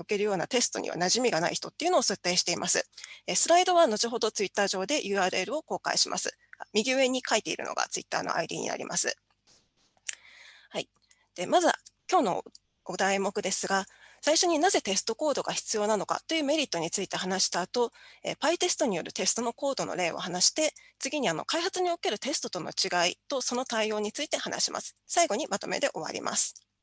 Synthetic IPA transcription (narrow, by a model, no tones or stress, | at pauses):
oke̞ɾɯ̟jo̞ːnat̪e̞sɨ̥t̪o̞ɲ̟ʲḭβa̰naʑimʲiɡana̰içi̥t̪o̞t̪ːe̞iɯ̟no̞ːsɨt̪ːe̞ːɕi̥t̪e̞imʔasɨ̰esɨɾaid̪o̞βano̞t͡ɕiɦo̞d̪o̞t͡sɨit̪ːaːʑo̞ːd̪e̞ʔɯ̟ːaːɾɯ̟e̞ɾɯ̟o̞ko̞ːka̰ḭɕimʔa̰sɨ̰ | mʲiɡʲie̞ɲ̟ikait̪ːe̞ḭɾɯ̟̰no̞̰ɡa̰t͡sɨḭt̪ːa̰ːno̞̰ʔa̰id̪ʲḭːɲ̟ḭna̰ɾʲḭmʔa̰sɨ̰ | hai | d̪̥e̞mazɨkʲo̞ːno̞̰ | ɡ̥od̪aemo̞kɯ̟d̪e̞sɨɡasaiɕo̞ɲ̟inaze̞t̪e̞sɨ̥t̪o̞ko̞ːd̪o̞ɡaçi̥t͡sɨjo̞ːnano̞ka̰t̪ːo̞jɯ̟ːme̞ɾʲit̪ːo̞ɲ̟it͡sɨit̪e̞hanaɕi̥t̪aːt̪o̞ḛpait̪e̞sɨ̥t̪o̞ɲ̟ijo̞ɾɯ̟t̪e̞sɨ̥t̪o̞no̞ko̞ːd̪o̞no̞̰ɾe̞ːo̞̰hanaɕi̥t̪e̞ | t͡sɨɡʲiɲ̟iano̞̰kaihat͡sɨɲ̟io̞ke̞ɾɯ̟t̪e̞sɨ̥t̪o̞t̪ono̞̰t͡ɕiɡait̪o̞so̞no̞t̪aio̞ːɲ̟it͡sɨit̪e̞hanʔa̰ɕimʔa̰sɨ̥saiɡo̞ɲ̟imat̪o̞̰me̞̰d̪e̞ʔo̞βa̰ɾʲḭmʔa̰sɨ̥